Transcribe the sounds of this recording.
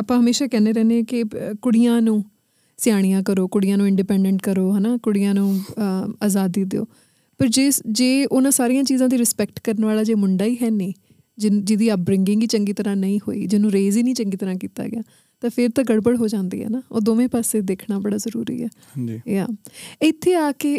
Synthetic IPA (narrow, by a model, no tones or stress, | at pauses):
apãːɦəmeːʃaːkɛːneːɾɛːnẽɛkɪkʊɽijãːnũː | sɪjaːɽ̃ijãːkəɾoːkʊɽɪjãːnũːɪɳɖipɛ̃ːɳɖəɳʈ̚kəɾoːɦɛːnaːkʊɽɪjãːnũːaːzaːd̪ːiːd̪ḛo̰ː | pəɾd͡ʒeːd͡ʒeːʊnãːsaːɾijãːt͡ʃiːzãːd̪iːɾɪspɛːk̚ʈkəɾnʋaːlaːd͡ʒeːmʊɳɖaːiːɦɛːnĩː | d͡ʒɪd͡ʒɪd̪iːəp̚bɾɪŋɡɪ̃ŋɡiːt͡ʃəŋɡiːt̪əɾãːnəĩːho̰ːḭːd͡ʒɪnũːɾeːziːnĩːt͡ʃəŋɡiːt̪əɾãːkiːt̪a̰ːɡɪaː | t̪ãːpʰɪɾt̪ãːɡəɽbəɽɦoːd͡ʒãːnd̪ḭːɦɛ̰ːnaːo̰ːd̪oːʋẽːpaːseːd̪eːkʰɽaːbəɽaːzəɾṵːɾḭːɛ̰ː | d͡ʒjaːɪt̪ʰːeːaːke